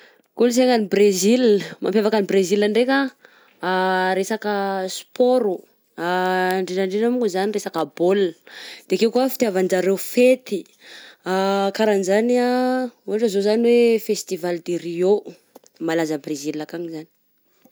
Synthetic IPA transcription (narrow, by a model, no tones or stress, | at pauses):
kuls̬eŋanibrezilma̰mpjavakanibrezilaɳɖ͡ʐekʲaː | ɾesakəspʰoɾu | aɳɖ͡ʐeʈ͡ʂaɳɖ͡ʐeʈ͡ʂamukuzaniresakabold̪̥eakewkuafit̪iavand͡ʒaɾewfet̪i | akaɾanizaniauɦaʈ͡ʂəzozaniwefest̪ivald̪erio | malazəbrezilːakamizani̥